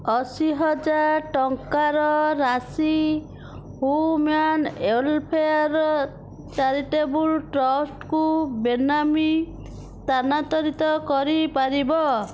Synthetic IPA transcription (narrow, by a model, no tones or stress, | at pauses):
ɔsiɦɔd͡ʒaɾʈɔŋkaɾɔɾasi | humanelpʰeaɾɔ | t͡ʃaɾiʈebulʈɾɔsʈkubenami | t̪anat̪ɔɾit̪ɔkɔɾipaɾibɔ